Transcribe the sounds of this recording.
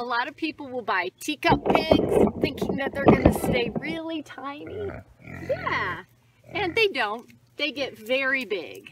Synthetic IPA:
əlɔɾʌv̥pʰipl̩ˠwəlˠbaɪtʰikʌpʰɪɡz̥θɪ̃ŋkɪ̃ŋðɨt̪̚ðə˞ɡʌnɨsteɪɹɪlˠitʰãɪ̃nijæ | ɨ̃nðeɪdõʊ̃nt̪ | ðeɪɡɛtvɛɹibɪ̰ɡ̥

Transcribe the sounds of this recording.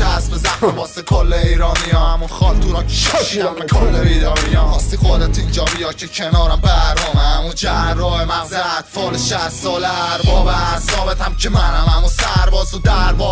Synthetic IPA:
dæsbezæxnebɒːsekʰolːeiːɾɒːnijɒːhæmunxɒːlt̪ʰuːɾɑːncʰe̥ʃʃiːd̪æmekʰolːebiːd̪ɒːmijɒːɦɒːst̪ixod̪æt̪ʰind͡ʒɒːbijɒːcʰecʰenɒːɾæmbæɾdɔːmæmud͡ʒærːɒːemænzæd̪foːlʃæsːɒːleɾbɒːbæzɒːbet̪ʰæmcʰemænæmæmusæɾbɒːzud̪æɾbɒː

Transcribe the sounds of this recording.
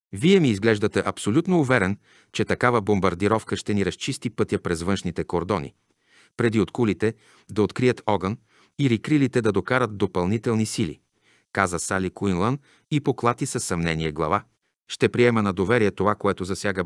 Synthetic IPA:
viɛmiːzɡlɛʒd̪ət̪ɛʔɐpsolʲut̪noːvɛɾɛn | t͡ʃɛt̪ɐkavəbombɐɾd̪iɾɔfkəʃt̪ɛniɾɐst͡ʃist̪ipɤt̪ʲjəpɾɛzvɤnʃnit̪ɛkoɾd̪ɔnḭ | pɾɛd̪iot̪kulit̪ɛ | d̪ɐot̪kɾiət̪ʰɔɡən | iɾikɾilit̪ɛd̪ɐd̪okaɾət̪̚d̪opɐlˠnit̪ɛlˠnisilḭ | kazəsalikuinlˠən | ipoklˠat̪isɐsːɐmnɛniɛɡlˠɐ̰va | ʃt̪ɛpɾiɛmənɐd̪ovɛɾiɛt̪ovakoɛt̪ozɐsʲjaɡə

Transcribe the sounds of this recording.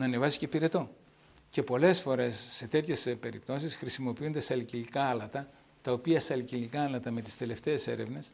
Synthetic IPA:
nɐːne̞vɐzi̥ce̞piɾe̞t̪o̞ | ce̞po̞le̞sfo̞ɾe̞sːe̞t̪e̞t̪çe̞spe̞ɾipt̪o̞sisxɾisimo̞piund̪e̞sɐlicilikɐɐlɐt̪ɐ | t̪ɐo̞piɐsɐlicilikɐɐlɐt̪ɐme̞t̪i̥st̪e̞le̞ft̪e̞ːse̞̰ɾe̞vne̞s

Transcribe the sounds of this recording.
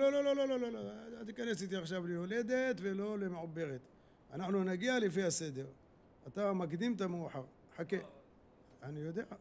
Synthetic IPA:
lolololo̞lo̞lo̞loat̪ikanesit̪iaχʃavlejole̞d̪et̪velo̞lemeʕubːeʁet̪ | anaħnunaɡialefiase̞d̪e̞ʁ | at̪amakd̪imt̪amuħaʁ | ħake | anijod̪ea

